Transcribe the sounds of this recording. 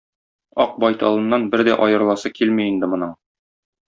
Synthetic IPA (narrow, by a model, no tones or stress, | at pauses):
ɒq̚bɒjt̪ɑlˠɤ̆nːɑnbɘɾd̪æʔɒjɤ̆ɾlˠɑsɤkilmiːnd̪ɘmŏnɤɴ